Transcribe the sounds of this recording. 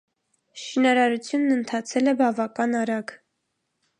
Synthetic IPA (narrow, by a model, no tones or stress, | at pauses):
ʃinɑɾɑɾut͡sʰjunːənt̪ʰɑt͡sʰɛlɛbɑvɑkɑnɑɾɑɡ